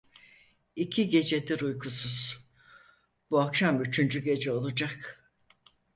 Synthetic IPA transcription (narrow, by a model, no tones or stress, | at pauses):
icʰiɟe̞d͡ʒe̞d̪iɾujkʰusuz̥ | b̥uakʃamyt͡ʃʰynd͡ʒyɟe̞d͡ʒɛo̞lˠud͡ʒak